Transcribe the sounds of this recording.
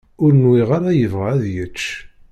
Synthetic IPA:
ʊɾnwiʁaɾæjəvʁaːðjət͡ʃː

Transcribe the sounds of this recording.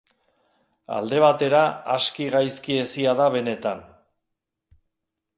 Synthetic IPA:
a̰ld̪e̞β̞at̪e̞ɾaaskiɣajskie̞siaðaβe̞ne̞t̪an

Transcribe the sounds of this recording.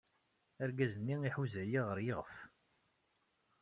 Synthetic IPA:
æɾɡæzənːiiħuzæjiʁəɾjəʁəf

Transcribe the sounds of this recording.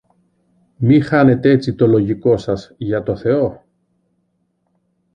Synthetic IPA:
mixɐne̞t̪eet͡sit̪o̞lo̞ʝiko̞sɐzʝɐt̪o̞θe̞o̞

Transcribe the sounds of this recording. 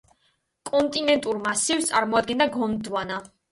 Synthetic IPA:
kʼɔnt̪ʼinɛnt̪ʼuɾmasivt̪sʼaɾmɔad̪̚ɡɛnd̪aɡɔmd̪wana

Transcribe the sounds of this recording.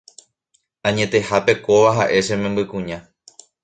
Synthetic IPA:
ãɲẽ̞t̪e̞hape̞ko̞ʋaɦaʔe̞ʃẽmẽmbɨkũɲã

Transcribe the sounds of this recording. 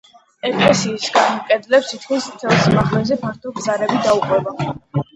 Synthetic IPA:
ɛkʼlɛsiːsɡanmkʼɛd̪lɛpsit̪ʰkʰmismt̪sʰɛlˠsmaχlɛzɛpʰaɾt̪ʰɔbzaɾɛbid̪auqʼwɛba

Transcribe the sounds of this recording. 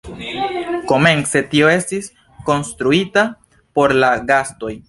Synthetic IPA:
ko̞me̞nse̞tio̞e̞stis | ko̞nst̪ɾuita | po̞ɾlaɡasto̞j

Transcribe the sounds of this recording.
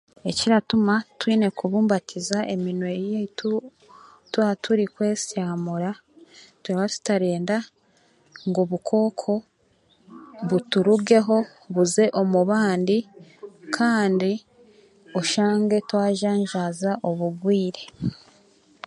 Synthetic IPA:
e̞ciɾatumatwiːne̞kuβuːmbatʰizaʔe̞minwe̞jetu | twatuɾikwe̞ːsaːmuɾa | tuɾaβatu̥taɾeːnda | ŋɡoβukʰo̞ːkʰo̞ | βutuɾuɡe̞ɦo̞ | βuze̞ʔo̞muβaːndi | kʰaːndi | oʃaːŋɡe̞twaːʒaːɲʒaːzaʔo̞βuɡwiːɾe̞

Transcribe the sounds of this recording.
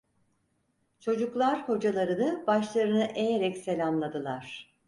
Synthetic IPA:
t͡ʃʰo̞d͡ʒuklˠaɾho̞d͡ʒalˠaɾɯnɯbaʃlˠaɾɯnɯʔejeɾɛcselʲamlˠad̪ɯlˠaɾ̥

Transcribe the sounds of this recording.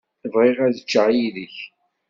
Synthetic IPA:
θəvʁeʁæðət͡ʃːəʕjiðəç

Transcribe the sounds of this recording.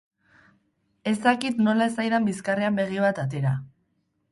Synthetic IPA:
e̞zd̪akit̪no̞lae̞sajðambiskareambe̞ɣ̞iβ̞at̪at̪̬e̞ɾa

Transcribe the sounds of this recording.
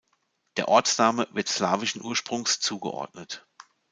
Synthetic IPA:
d̥eːɐʔɔɐt͡snaːməvɪɐtslaːvɪʃn̩ʔuːɐʃpʁ̥ʊŋst͡suːɡə̰ʔɔ̰ɐtnət

